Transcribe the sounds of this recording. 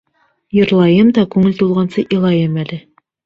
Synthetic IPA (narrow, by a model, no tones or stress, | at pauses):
jɤ̆ɾlˠɑjɤmd̪ɒkʉŋɘlt̪ulˠʁɑnsɤʔilˠɑjɤmælɘ